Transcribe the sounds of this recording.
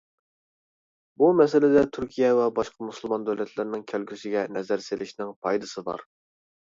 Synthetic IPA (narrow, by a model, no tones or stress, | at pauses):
bumɛsɪlɪd̪ɛt̪ʰyɾkʲʰijɛwɛbɑʃqʰɑmusulˠmɑnd̪øwlɛt̪ʰlɪɾnɪŋkʲʰælɡʲysɪɡʲɛnɛzæɾselɪʃnɪŋpʰɑjd̪ɨsɨbɑ̰ɾ